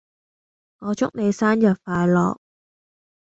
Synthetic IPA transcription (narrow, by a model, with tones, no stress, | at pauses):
ŋɔː˨˧t͡sʊ˥k̚ne˨˧jsaː˥njɐ˨p̚faː˨˧jlɔ̰ː˨k̚